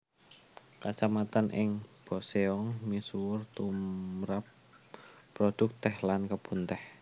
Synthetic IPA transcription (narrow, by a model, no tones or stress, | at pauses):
kat͡ʃamat̪anʔɪŋb̥ɔseɔŋmisuwʊrt̪umɾap̚ː | ɾod̪̥ʊ̤k̚t̪ɛhlankəb̥unt̪ɛh